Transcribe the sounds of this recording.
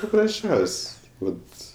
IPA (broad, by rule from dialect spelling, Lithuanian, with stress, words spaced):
pɐprɐsʲˈt͡ʃʲɛʊsʲ ˈʋɐt